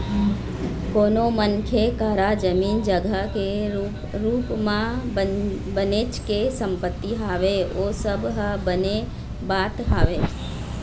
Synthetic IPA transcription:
koːnomənkʰekaːɾad͡ʒəmiːnd͡ʒəɡəke | ɾuːpmã | bənet͡ʃkesə̃mpət̪ːiɦaːʋeoːsəbɦəbəne | baːt̪ɦaːʋeː

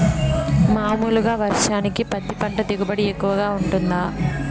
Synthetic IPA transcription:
maːmuːluɡaːʋɐɾʂaːnikipɐt̪ːipɐɳʈɐd̪iɡubɐɽiekːuʋɐɡaːuɳʈund̪aː

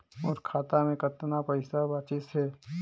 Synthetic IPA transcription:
ɔːɾkʰaːt̪amẽkət̪ːnapɐɪsabaːt͡ʃɪsɦɛː

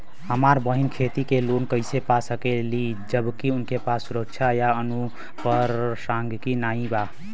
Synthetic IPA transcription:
həmaɾbəɦinkʰet̪ikelonkəɪsepasəkeli | d͡ʒəbkiunkepasːuɾək̚t͡ʃʰajaənu | pəɾsaŋɡkinaĩba

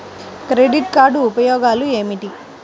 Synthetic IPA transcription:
kɾeɖiʈkaːɾɖuːpɐjɔːɡaːlue̞ːmiʈi

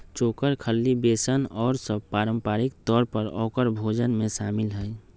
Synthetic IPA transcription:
t͡ʃoːkəɾkʰəlːibeːsənɔːɾsəb̚paːɾə̃mpaːɾikt̪ɔːɾpəɾɔ̰ːkəɾbʱoːd͡ʒənmẽʃaːmɪlɦɛɛ

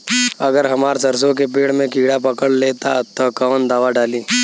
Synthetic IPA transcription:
ɐɡəɾɦɐmaːɾsɐɾs̬õkepeːɽmẽkiːɽapɐkəɽleːt̪at̪ɔkɐʋnd̪aːʋaɖaːliː

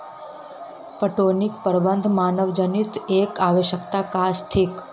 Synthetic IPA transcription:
pəʈonik̚pəɾbənd̪ʱmanəʋd͡ʒənit̪ekaʋeʃəkt̪akast̪ʰik

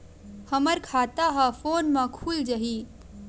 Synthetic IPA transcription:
həməɾkʰaːt̪aɦafoːnmãkʰuːld͡ʒəɦiː

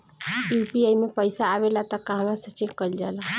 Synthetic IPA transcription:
jupiajmepəjsaːβelat̪əkaɦəmasət͡ʃekəld͡ʒala

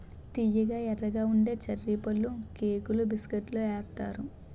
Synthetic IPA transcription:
t̪ijɐɡaːɛɾːɐɡaːuɳɖe̞ːt͡ʃɐɾːiːpɐlːukeːkulubiskeʈloːɛːɾt̪ːaːɾu

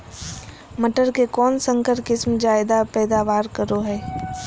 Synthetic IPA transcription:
məʈəɾkekɔːnsə̃ŋkəɾkɪsmd͡ʒaːɪd̪apɛːd̪aːʋaːɾkəɾoɦɛː

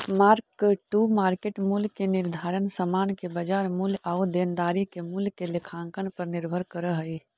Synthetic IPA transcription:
maːɾkʈuːmaːɾkeːʈmulkenɪɾd̪ʱaːɾənsəmaːnkebɐd͡ʒaːɾmulaud̪eːnd̪aːɾikemulkelɪkʰãːŋkənpɐɾnɪɾbʱəɾkəɾəɦəi

